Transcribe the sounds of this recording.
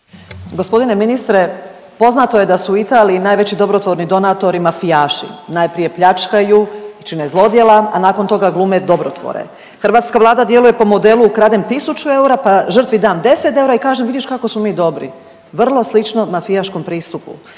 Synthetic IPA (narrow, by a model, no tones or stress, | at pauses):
ɡospo̞d̪ine̞minist̪ɾe̞ | po̞znat̪o̞je̞d̪asuːit̪aːliinaːjʋe̞t͡ɕid̪o̞bɾo̞t̪ʋo̞ɾnid̪o̞nat̪o̞ɾimafijaːʃḭnajpɾije̞pʎat͡ʃkajuit͡ʃinezlˠo̞d̪jelˠaanaːko̞nt̪o̞ɡaɡlˠumed̪o̞bɾo̞̰t̪ʋo̰ɾḛ | xr̩ʋaːt̪skaʋlˠaːd̪ad̪je̞luje̞po̞mo̞d̪e̞lˠuːkɾaːd̪emt̪isut͡ɕue̞uɾapaʒr̩t̪ʋid̪aːnd̪e̞set̪e̞uɾaikaːʒemʋid̪ʲiʃkakosmo̞miːd̪o̞bɾḭ | ʋr̩lˠo̞slit͡ʃnomafijaʃko̞mpɾiːst̪upṵ